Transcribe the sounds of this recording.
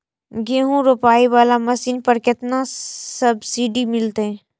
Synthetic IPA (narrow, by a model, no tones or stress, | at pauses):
ɡeːɦũɾopaːiʋaːlamɐsiːnpɐɾkɪt̪nasɐbsiːɖimɪlt̪eɦɛ̃ː